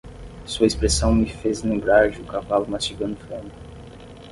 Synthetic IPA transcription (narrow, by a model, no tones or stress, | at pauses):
suɐespɾesɐ̃w̃mɪfezlẽmbɾaɾd͡ʒɪukavalʊmat͡ʃiɡɐ̃nd̪ʊfõnʊ